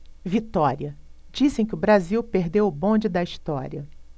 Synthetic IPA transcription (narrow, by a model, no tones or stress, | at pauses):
vit̪ɔɾiɐ | d͡ʒisẽj̃kʲɪʊbɾaziwpeɾd̪ewʊbõnd͡ʒɪd̪ɐist̪ɔɾiɐ